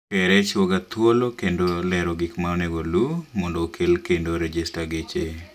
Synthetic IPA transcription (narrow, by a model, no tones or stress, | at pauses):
pɛɾɛt͡ʃwoɡat̪wolokendolɛɾoɡɪkmawneɡolumɔndokʰelkendoɾed͡ʒistaɡet͡ʃe